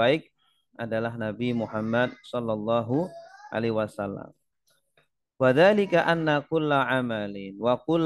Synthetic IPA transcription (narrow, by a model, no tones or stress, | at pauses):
aɪk̚ | ʔadalahnabimuħamːad̚sɔlːɑlˤːɑːɦuʔa̰lewasalːa̰m | waðaːlɪkaʔanːakʊlːaʕamalɪnwakʊl